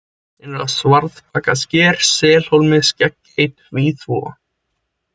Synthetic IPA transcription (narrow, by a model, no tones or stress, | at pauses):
θɛnɛɾaðsvaɾðp̚ʰaːkascɛːɾ̥sɛːl̥howlmɪðscɛk | ejt̪viθvɔ̰ː